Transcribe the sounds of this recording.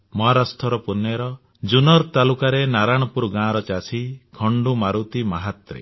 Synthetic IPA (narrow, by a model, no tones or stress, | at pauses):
mɔɦaɾast̪ʰɔɾɔpunjɔɾɔ | d͡ʒunɔɾt̪alukaɾenaɾaɽ̃ɔpuɾɡãɾɔt͡ʃasʰikʰɔɳɖumaɾut̪imaɦat̪ɾḛ